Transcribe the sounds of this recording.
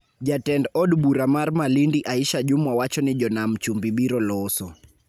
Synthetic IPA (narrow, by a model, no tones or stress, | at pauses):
d͡ʒatɛndɔɗbuɾamaɾmalindiʔaiʃad͡ʒumwawat͡ʃɔnɪd͡ʒɔnamt͡ʃumbiɓiɾɔlɔsɔ